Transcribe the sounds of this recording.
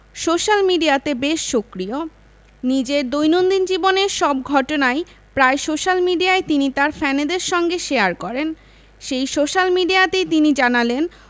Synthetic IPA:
soʃalmiɖijat̪ebeʃːokɾio | nid͡ʑeɾd̪ojnond̪ind͡ʑiboneɾʃɔb̚ɡʱɔʈonae | pɾaeʃoʃalmiɖiaet̪init̪aɾfɛned̪eɾʃɔŋɡeʃeaɾkɔɾen | ʃejʃoʃalmiɖijat̪ejt̪inid͡ʑanalen

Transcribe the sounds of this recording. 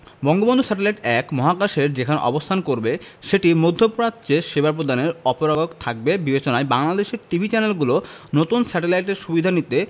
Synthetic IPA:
bɔŋɡobond̪ʱusɛʈelajʈɛkmɔɦakaʃeɾd͡ʑekʰanɔ̰bost̪ʰankoɾbe | ʃeʈimod̪ʱːopɾat̪ːt͡ɕeʃebaɾpɾod̪aneɾɔpoɾaɡokt̪ʰak̚bebibet͡ɕonaebaŋlad̪eʃeɾʈibʱit͡ɕɛnelɡulonot̪unsɛʈelajʈeɾʃubid̪ʱanit̪e

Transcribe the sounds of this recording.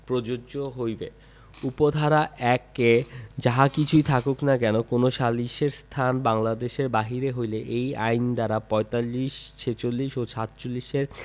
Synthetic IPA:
pɾod͡ʑooɦojbe | upod̪ʱaɾaʔʔɛked͡ʑaɦakit͡ɕʰujt̪ʰakoknakɛnokonoʃalːiʃeɾst̪ʰanbaŋlad̪eʃeɾbaɦiɾeɦojleʔejajnd̪aɾapɔet̪alːiʃt͡ɕʰet͡ɕolːiʃot͡ɕʰat̪t͡ɕolːiʃeɾ

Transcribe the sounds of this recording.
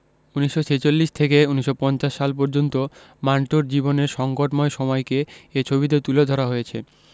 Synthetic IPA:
uniʃːot͡ɕʰet͡ɕolːiʃt̪ʰekeuniʃːopɔnt͡ɕaʃːalpɔɾd͡ʑont̪o | maɳʈoɾd͡ʑiboneɾʃɔŋkoʈmɔeʃɔmɔjkeet͡ɕʰobit̪̬et̪uled̪ʱɔɾaɦojet͡ɕʰe

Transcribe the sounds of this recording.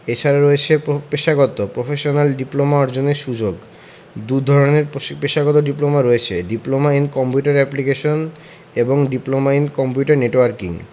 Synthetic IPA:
et͡ɕʰaɾaɾɔet͡ɕʰepeʃaɡot̪opɾofʰeʃonalɖiplomaɔɾd͡ʑoneɾʃud͡ʑoɡ | d̪ud̪ʱɔɾoneɾpeʃaɡot̪oɖiplomaɾɔet͡ɕʰeɖiplomainkɔmpjuʈaɾɛplikeʃon | eboŋɖiplomainkɔmpjuʈaɾneʈwaɾkḭŋ

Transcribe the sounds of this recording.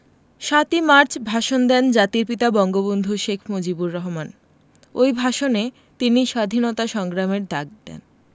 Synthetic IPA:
ʃat̪imaɾt͡ɕʰbʱaʃond̪ɛnd͡ʑat̪iɾpit̪abɔŋɡobond̪ʱuʃekʰmod͡ʑibuɾːɔɦoman | ojbʱaʃone | t̪iniʃad̪ʱinot̪aʃɔŋɡɾameɾd̪ak̚d̪ɛ̰n

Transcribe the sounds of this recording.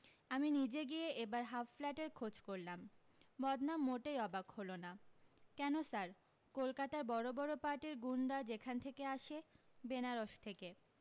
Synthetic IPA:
aminid͡ʑeɡieʔebaɾɦaflaʈeɾkʰod͡ʑkoɾlam | bɔd̪namːoʈejɔbakholonakɛnosaɾ | kolkat̪aɾbɔɾobɔɾopaɾʈeɾɡunɖad͡ʑekʰant̪ʰekeaʃebenaɾoʃt̪ʰeke

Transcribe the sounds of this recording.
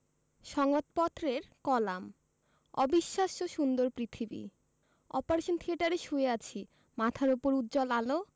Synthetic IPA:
ʃɔŋot̪̚pɔt̪ːɾeɾkɔlam | ɔ̰biʃːaʃoʃund̪oɾpɾit̪ʰibḭ | ɔ̰paɾeʃont̪ʰieʈaɾeʃueat͡ɕʰi | mat̪ʰaɾupoɾut̪ːd͡ʑɔlalo

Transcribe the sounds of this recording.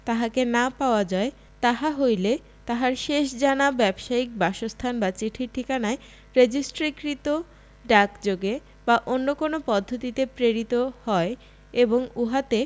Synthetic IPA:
t̪aɦakenapaoad͡ʑae | t̪aɦaɦojle | t̪aɦaɾʃeʃd͡ʑanabɛbʃaik̚baʃost̪ʰanbat͡ɕiʈʰiʈʰikanae | ɾed͡ʑisʈɾikɾit̪o | ɖakd͡ʑoɡe | baʔonːokonopɔd̪ʱːot̪it̪epɾeɾit̪ohɔe | eboŋuɦat̪e

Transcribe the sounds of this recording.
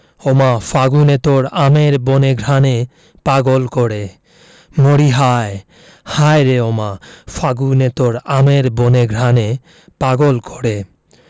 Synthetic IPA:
omafʰaɡunet̪oɾameɾboneɡʱɾane | paɡolkoɽe | moɽiɦae | hajɾeomafaɡunet̪oɾameɾboneɡʱɾane | paɡolkoɽe

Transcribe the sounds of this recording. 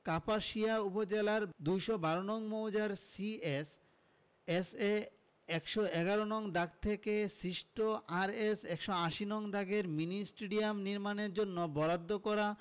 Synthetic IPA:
kapaʃiaupod͡ʑelaɾd̪ujʃobaɾonɔŋmowd͡ʑaɾsies | ese | ɛkʃoɛɡaɾonɔŋd̪aɡ̚t̪ʰekesɾiʃʈoʔaɾesɛkʃoãʃinɔŋd̪aɡeɾminisʈeɖiamniɾmaneɾd͡ʑonːobɔɾad̪ːokɔɾa

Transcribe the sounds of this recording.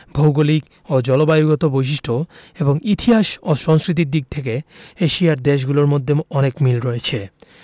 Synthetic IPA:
bʱowɡolik | od͡ʑɔlobajuɡot̪obojʃ̬iʃʈʰoeboŋit̪ʰiɦaʃoʃɔŋskɾit̪̬iɾd̪iɡ̚t̪ʰek̬eeʃiaɾd̪eʃ̬ɡuloɾmod̪ʱːeɔnekmilɾoet͡ɕʰe

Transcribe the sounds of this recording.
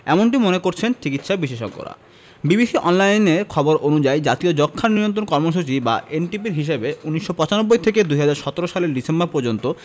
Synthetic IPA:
ɛmoɳʈimonekoɾt͡ɕʰent͡ɕikit̪ʃabiʃeʃo̰kːo̰ɾa̰ | bibiʃiʔɔnlajneɾkʰɔboɾʔonud͡ʑajd͡ʑat̪iod͡ʑɔkʰːanːiɾont̪ɾonkɔɾmoʃ̬ut͡ɕiba̰ʔenʈipiɾɦiʃ̬ebeuniʃːopɔt͡ɕanobːojt̪ʰeked̪uɦad͡ʑaɾʃɔt̪oɾoʃaleɾɖisembaɾpoɾd͡ʑont̪o

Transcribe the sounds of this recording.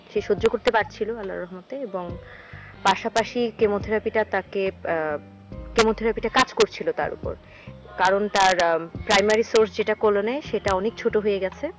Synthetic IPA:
ʃeʃod͡ʑːokoɾt̪epaɾt͡ɕʰiloalːa̰ɾːɔɦmat̪eeboŋ | paʃapaʃikemot̪ʰeɾapiʈat̪ake | kemot̪ʰeɾapiʈakad͡ʑkoɾt͡ɕʰilot̪a̰ɾṵpo̰ɾ | kaɾont̪aɾpɾajmaɾisoɾsd͡ʑeʈakoloneʃeʈaɔnek̚t͡ɕʰoʈoɦojeɡɛt͡ɕʰe

